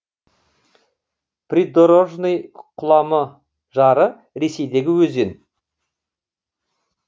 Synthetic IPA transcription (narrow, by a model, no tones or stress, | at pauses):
prʲid̪oɾoʒnejqʰʊlˠɑmə | ʒɑɾə | ɾe̞se̞jd̪e̞ɡʲɪwɵzen